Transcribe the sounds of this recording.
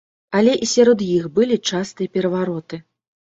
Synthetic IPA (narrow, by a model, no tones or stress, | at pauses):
alʲɛʔisʲaɾɔd̪jixbɨlʲit͡ʂast̪ɨjɐpʲɛɾɐvaɾɔt̪ɨ